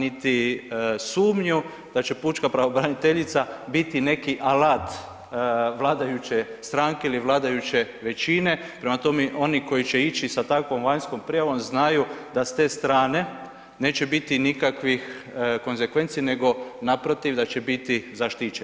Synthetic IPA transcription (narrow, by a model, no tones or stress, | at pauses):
nit̪isuːmɲu | d̪̥at͡ʃe̞puːt͡ʃkapɾaʋobɾanit̪eʎit̪sabit̪ine̞kiʔalaːt̪ | ʋlˠaːd̪ajut͡ʃe̞st̪ɾaːŋke̞iliʋlˠaːd̪ajut͡ʃe̞ʋe̞t͡ʃine̞pɾemat̪o̞meʔo̞niko̞jit͡ʃeit͡ʃisat̪akʋo̞mʋaɲsko̞mpɾijaʋo̞mznajud̪ast̪e̞ːst̪ɾaːne̞ | ne̞ːt͡ʃebit̪inikakʋix | ko̞nzekʋe̞nt̪sijne̞ɡo̞napɾot̪iʋd̪at͡ʃe̞bit̪izaʃt̪iːt͡ʃen